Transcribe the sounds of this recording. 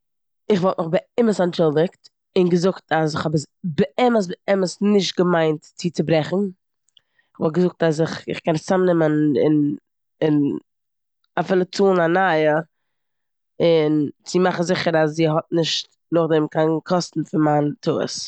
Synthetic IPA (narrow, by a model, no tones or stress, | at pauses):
ɪχvɔlˠtnʊχbəɪməsant͡ʃɪlˠdɪkt | ɪnɡəzʊktʰasɪχhɔbəsbəɛməs̬bəɛməsnɪʃt̚ɡəmaɪntt͡siːt͡sɪbɾɛχn̩ | ɪχvɔlˠtɡəzʊk̚tas̬ɪχɪ̰χkɛnt͡samnɪmənɪ̰n | ɪn | afɪːlˠət͡suːnanajə | ɪnt͡sɪmaχn̩zɪχəɾasziːɦɔt̚nɪʃt | nʊχdɛmkʰankʰɔstn̩fɪnmantʰṵːə̰s